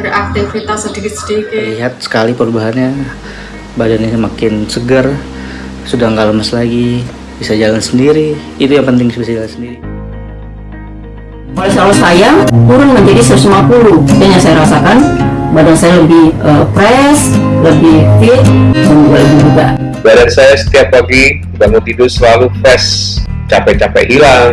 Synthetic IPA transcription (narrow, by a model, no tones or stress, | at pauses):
ɾiʔak̚t̪aŋfɾit̪asədiɡɪt̪sə̥diikliɦat̪̚sə̥kalipəɾubaɦanɲa | badanɲaəmakɪnsəɡər | sudahŋɡaʔləməslaɡi | b̥isad͡ʒalansəndiɾiː | t̪ujaŋpənt̪ɪŋbisabisad͡ʒalansəndiɾi | kalasalɔsajat̪uɾʊnməɲd͡ʒadisəsəmuapuludanjaŋsajaɾasakanbadaŋsajaləbɪhʔəpɾɛsləbɪht̪ɪt̚maɲd͡ʒuɡaləbɪd͡ʒuɡa | baɾansajasə̥t̪iaplaɡi | baŋot̪idʊsəlalufɛs | t͡ʃapɛt͡ʃapɛ̰hilaŋ